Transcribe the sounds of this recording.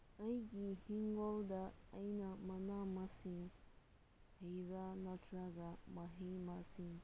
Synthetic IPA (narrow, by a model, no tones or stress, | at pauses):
ajɡihiŋɡɔld̪aajnamanamasiŋ | hejɾanatʰɾaɡamaɦemasiŋ